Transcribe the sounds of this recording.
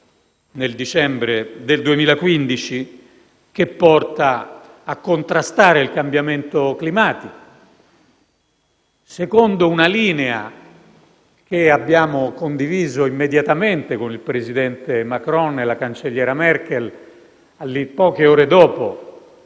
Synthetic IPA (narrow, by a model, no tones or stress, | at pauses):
neld̪it͡ʃɛmbɾed̪eld̪uemiːlakwind̪it͡ʃi | kepːɔrt̪aːkːont̪ɾast̪aːɾeilkambjament̪oklimaːt̪iko | sekond̪ounaliːnea̰ | keabːjaːmokond̪iviːzoimːed̪jat̪ament̪ekonilpɾezid̪ɛnt̪emakɾɔnelakant͡ʃeʎːɛːɾamɛrkɛl | alːipːɔːk̟eɔːɾed̪ɔːpo̰